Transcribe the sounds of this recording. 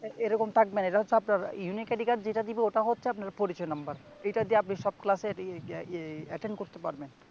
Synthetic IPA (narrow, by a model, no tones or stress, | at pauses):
eɾɔkomt̪ʰak̚beneʈaɦotːt͡ɕʰeapnaɾjunikɛɖikaʈd͡ʑeʈad̪ibeoʈaɦotːʃʰeapnaɾpoɾit͡ɕɔenambaɾ | ejʈad̪ieapniʃɔb̚klase | ɛʈeɳɖkoɾt̪epaɾben